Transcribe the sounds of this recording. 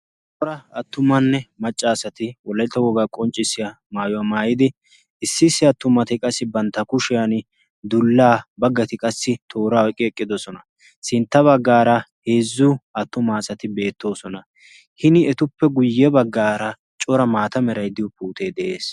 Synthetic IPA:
t͡ʃʼɔɾɐɐt̪ːʊmɐnːɛmɐt͡ʃʼːaːsɐt̪ɪwɔlːɐjt̪ːɐwɔɡakʼɔnt͡ʃʼːɪsːɪjɐ | maːjɔwamaːjɪd̪ɪ | ɪsːɪsːɪɐt̪ːʊmɐt̪ɪkʼɐsːɪbɐnt̪ːɐkʊʃɪjɐn | d̪ʊlːaːbɐɡːɐt̪ɪkʼɐsːɪt̪ʰo̞ːɾaːɔkʼːɪɛkʼːɪd̪ɔsɔnɐ | sɪnt̪ːɐβɐɡːaːɾɐhe̞ːzːʊɐt̪ːʊmaːsɐt̪ɪbe̞ːt̪ːo̞ːsɔnɐ | hɪnɪɛt̪ʊpːɛɡʊjːɛbɐɡːaːɾɐ | t͡ʃʼɔɾɐmaːt̪ɐmɛɾɐjd̪ɪjɔpuːt̪e̞ːd̪ɛʔeːs

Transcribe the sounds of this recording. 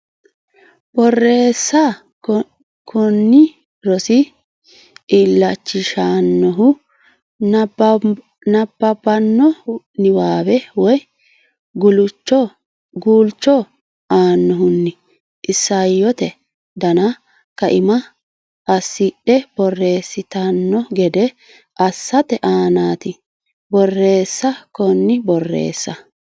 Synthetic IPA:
b̥ɔrːeːsːa | kʰɔnːɪ | ɾɔsɪ | ɪlːɐt͡ʃːɪʃaːnːɔɦʊ | nɐbːɐbɐnːɔ | nɪwaːbɛwɔj | ɡʊlʊt͡ʃːɔ | ɡuːlt͡ʃːɔ | aːnːɔɦʊnːɪ | ʔɪsːɐjːɔt̪ɛ | d̪ɐnɐ | kɐʔɪmɐ | ɐsːɪɗɛb̥ɔrːe̞ːsːɪt̪ɐnːɔɡɛd̪ɛ | ʔɐsːɐt̪ɛʔaːnaːt̪ɪ | bɔrːe̞ːsːɐkɔnːɪbɔrːḛːsːɐ

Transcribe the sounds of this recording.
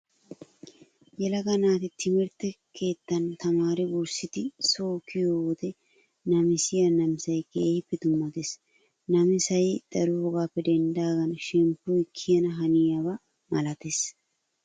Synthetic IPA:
jɛlɐɡɐnaːt̪ɪt̪ʰɪmɪɾt̪ːɛ | kʰe̞ːt̪ːɐnt̪ɐmaːɾɪuɾsɪt̪ɪsoːkɪjod̪ɛ | nɐmɪsɪjɐnɐmɪsɐjkeːhɪpːɛd̪ʊmːɐt̪es | nɐmɪsɐjd̪̥ɐɾuɔɡaːpːɛd̪ɛnd̪aːɡɐnʃɛmpːʊjkʰːɪjɐnɐɦɐnɪjɐwɐ | mɐlɐt̪es

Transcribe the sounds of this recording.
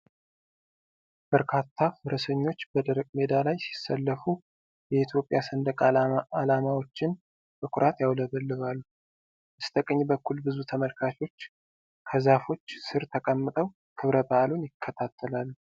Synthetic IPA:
b̥əɾkʰat̪ʰːafɨɾəsəɲːo̞t͡ʃːbəd̪əɾəkʼme̞d̪alajsi̥səlːəfu | jɛit̪ʰjo̞pʼːjasənd̪əkʼalamawo̞t͡ʃːɪn | t̪ʰɨkʷʰʼʊɾʔat̪jawləβəlːɨβalːu | ʔɨst̪ʰəkʼəɲːbəkʰːulbɨzut̪ʰəməlkʰat͡ʃo̞t͡ʃː | kʰəzafo̞t͡ʃːsɨɾt̪ʰəkʼəmːɨt̪ʼəw | kʰɨβɾəbaʔalunjɪkʰːət̪ʰat̪ʰːəlalːu

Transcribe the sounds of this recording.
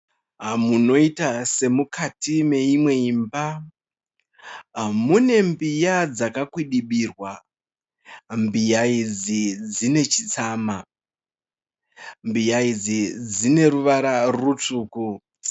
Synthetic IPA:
ɦamuno̞itase̞mukʰatime̞imwe̞imba | mune̞mbijad͡zakakwiɗiɓiːrwa | mbijaid͡zid͡zine̞t͡ʃit͡saːma | mbijaid͡zid͡zine̞ɾuʋaɾarut͡ʂuːku

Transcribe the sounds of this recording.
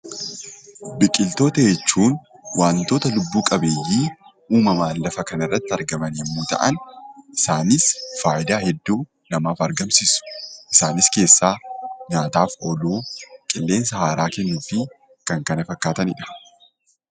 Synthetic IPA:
bɪkʼɪlt̪o̞ːt̪ɐjɛt͡ʃːuːnwʔaːnt̪o̞ːt̪ɐlʊbːuːkʼɐbe̞ːjːiːʔuːmɐmaːlːɐfɐkɐnɐrːɐt̪ːɐɾɡɐmɐnɛmːuːt̪ɐ̰ʔɐnʔɪsaːnɪsfaːʔɪd̪aːhɛd̪ːuː | nɐmaːfɐɾɡɐmsɪsʊ̥ʔɪsaːnɪske̞ːsːaːɲaːt̪aːfoluːkʼɪlːe̞ːnsɐhaːɾaːkɛnːufɪ | kɐŋkɐnɐfɐkːaːt̪ɐnɪᶑɐ̥

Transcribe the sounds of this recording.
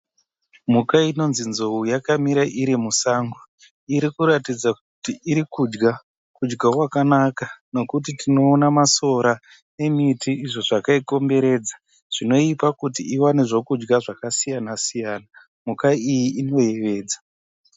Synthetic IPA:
mukaino̞nzinzoujakamiɾaʔiɾimusaːŋɡo | iɾikuɾatid͡zak̚utiiɾikud͡ʒɡa | kud͡ʒɡakwakanakano̞kut̬itino̞ːnamaso̞ɾa | ne̞mitiːʐo̞ʐakaiko̞mbe̞ɾe̞ːd͡za | ʐ̥ino̞ipakutiiwaneʐo̞kud͡ʒɡaʐakasijanasijaːna | mukaijiino̞je̞ʋe̞ːd͡zḁ

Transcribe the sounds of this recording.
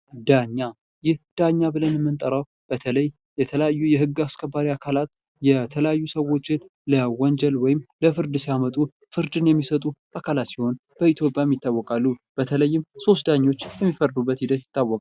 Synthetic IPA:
d̪aɲːa | jɪhd̪̥aɲːabɨlənɛmːɨnt̪ʼəɾəw | b̥ət̪ʰələj | jɛt̪ʰələjajːujɛɦɨɡːaskʰəbaɾiakʰalat̪ | jɛt̪ʰələjajːusəwo̞t͡ʃːɪn | ləwɔnd͡ʒɛlwɔjɪmləfɨɾd̪ɨsijamət̪ʼu | fɨɾd̪ɨnjɛmːisət̪ʼuʔakʰalat̪siho̞nb̥əit̪ʰjo̞pʼjajɛmjɪt̪ːawːɔkʼalːub̥ət̪ʰələjːɪmso̞st̪d̪aɲːo̞t͡ʃːjɛmːifəɾd̪ubːət̪hɪd̪ət̪jɪ̥t̪ːawːɔkʼ

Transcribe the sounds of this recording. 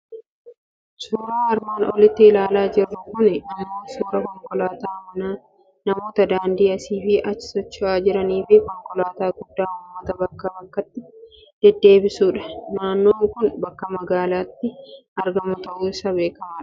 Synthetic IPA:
suːɾaːɐɾmaːnɔ̰lɪt̪ːɪɪlaːlaːd͡ʒɪrːɐkʊnɛɐmːoːsuːɾɐkɔŋkɔlaːt̪aːmɐnaː | nɐmo̞ːt̪ɐd̪aːnd̪iːɐsiːfɪʔɐt͡ʃːɪ̥sɔt͡ʃːʊaːd͡ʒɪɾɐniːfɪkɔŋkɔlaːt̪aːɡʊd̪ːaːʊmːɐt̪ɐbɐkːaːbɐkːɐt̪ːɪ | d̪̥ɛd̪ːe̞ːbɪsuːᶑɐ̥naːnːoːŋkʊnbɐkːɐmɐɡaːlaːt̪ːɪʔɐɾɡɐmʊt̪ɐʔuːɪsɐbe̞ːkɐmaᶑɐ̥

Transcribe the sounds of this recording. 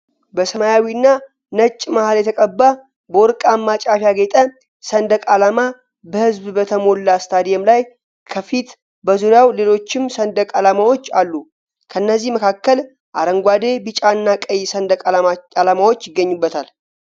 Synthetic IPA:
bəsəmajawiɨnːa | nət͡ʃʼːmahaljɛt̪ʰəkʼəbːa | bəwɔɾkʼamːat͡ʃʼafjaɡet̪ʼə | sənd̪əkʼalama | bəhɨzbbət̪ʰəmo̞lːast̪ʰad̪ijɛmlaj | kʰəfit̪ | bəzuɾjawle̞lo̞t͡ʃːɪmsənd̪əkʼalamawo̞t͡ʃːalːu | kʰəɨnːəzːihməkʰakːəl | ʔaɾəŋɡʷad̪e̞bɨt͡ʃʼaɨnːakʼəjsəd̪əkʼalamawo̞t͡ʃːjɪɡːəɲːubːət̪ʰal

